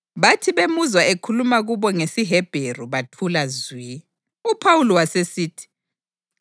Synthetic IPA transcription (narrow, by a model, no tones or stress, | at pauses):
βatʰiβemuzwaekʰulumaɣuβɔŋesiɦɛb̥ʱeruβatʰulazwi | upʰawulɔwasesiːtʰi̥